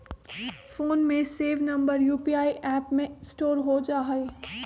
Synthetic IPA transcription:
foːnmẽseːʋnɐ̃mbəɾjuːpiaːiʔɛːpmẽsʈoːɾɦod͡ʒaːɦeː

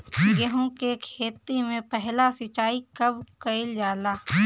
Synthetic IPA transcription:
ɡɐɦõkekʰeːt̪imẽpɛɦlasɪt͡ʃaːikɐbkɐɪld͡ʒaːlaː

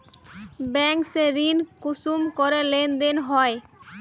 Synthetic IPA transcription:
bɛŋkseɾinkusumkoɾelend̪enɦɔe

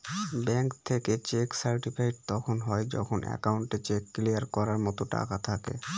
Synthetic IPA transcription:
bɛŋkt̪ʰeket͡ɕeksaɾʈipʰajɖ̚t̪ɔkʰonɦɔed͡ʑɔ̰kʰonʔɛ̰kawɳʈet͡ɕekːlijaɾkɔɾaɾmɔt̪oʈa̰kat̪ʰakḛ

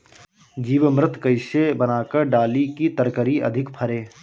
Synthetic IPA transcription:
d͡ʒiːʋəmɾɪt̪ʰkəɪʃebənaːkəɾɖaːlikit̪əɾkəɾiʔɐ̰d̪ʱɪkpʰəɾeː

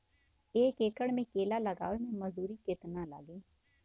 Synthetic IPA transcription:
eːkeːkəɽmẽkeːlalɐɡa̰ːʋemẽmɐzuːɾikɪt̪nãla̰ːɡẽː

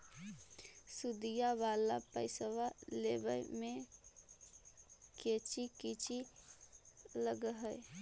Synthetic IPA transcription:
sʊd̪ijaʋaːlapəɪsəwaleːbəjmẽ | keːt͡ʃikit͡ʃi | ləɡɦəɪ

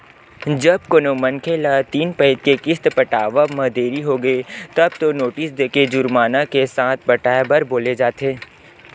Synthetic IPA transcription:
d͡ʒɐb̚koːnomɐ̃nkʰeːlat̪iːnpɛt̪̚kekɪst̪pɐʈaːʋamɐ̃d̪ʱeːɾiɦoːɡɐet̪ɐb̚t̪onoːʈɪsd̪eːked͡ʒʊɾmaːnakesaːt̪ʰbɐʈaːebɐɾboːled͡ʒaːt̪eː

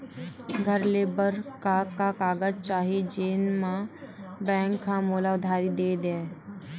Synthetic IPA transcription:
ɡʱəɾleːbəɾkakakaːɡəd͡ʒt͡ʃaːɦid͡ʒeːnmãbɛ̃ːŋkːamoːlaʊd̪ʱaːɾid̪eːd̪ẽː

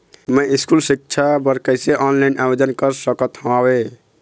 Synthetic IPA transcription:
məiskulsik̚t͡ʃʰabəɾkəseʔɔnlanabed͡ʒənkəɾsəkət̪ɦãwe

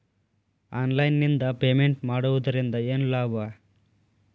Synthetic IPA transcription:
aːnlɐjnːind̪ɐpeːmeɳʈmaːɽuʋɐd̪ɐɾind̪ɐeːnlaːʋaː

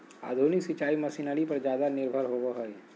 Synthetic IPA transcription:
a̰ːd̪ʱunɪksɪt͡ʃaːimɐsinəɽipɐɾd͡ʒjaːd̪anɪɾbʱəɾɦoɡoɦoe

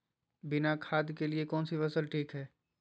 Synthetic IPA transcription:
bɪnakʰaːd̪keliekɔːnsifɐsəlʈʰiːkɦɛː

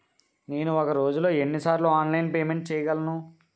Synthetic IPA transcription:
ne̞ːnuɔkɐɾo̞ːd͡ʒulo̞ːe̞nːisaːɾluaːnlɐjnpeːme̞ɳʈ̚t͡ʃɛːjɐɡɐlɐnu

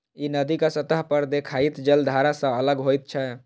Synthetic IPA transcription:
inəd̪ikasət̪əɦpəɾd̪ekʰait̪d͡ʒəld̪ʱaɾasə̃ələɡɦojt̪̚t͡ʃʰɛ

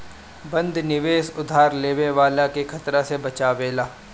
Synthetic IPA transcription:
bɐ̃nd̪ʱnɪʋeːsʊd̪ʱaːɾleːʋeʋaːlakekʰɐt̪ɾasebɐt͡ʃaːʋeːlaː

